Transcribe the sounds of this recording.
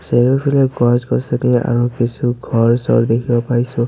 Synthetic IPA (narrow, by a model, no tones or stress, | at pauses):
seɹɔpʰileɡɔsɡɔsenia̰ɹukisʰuɡʱɔɹsɔ̰ɹd̪ekʰibɔpaɹisũ